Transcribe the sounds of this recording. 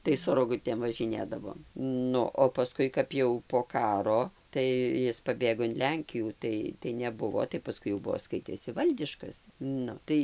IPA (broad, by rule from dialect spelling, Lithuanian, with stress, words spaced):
tɐɪ sʊ roːˈɡʊtʲeːm ʋɐʒʲɪˈnʲeːdɐʋoːm ˈnʊ oː pɐˈskʊɪ kɐp jɛʊ poː ˈkɑːroː tɐɪ ˈjɪs pɐˈbʲeːɡoː ɪn ˈlʲɛŋʲkʲɪjuː ˈtɐɪ tɐɪ nʲɛˈbʊʋoː tɐɪ pɐˈskʊɪ jɛʊ ˈbuɔ ˈskɐɪtʲeːsʲɪ ˈʋɐlʲdʲɪʃkɐs ˈnʊ tɐɪ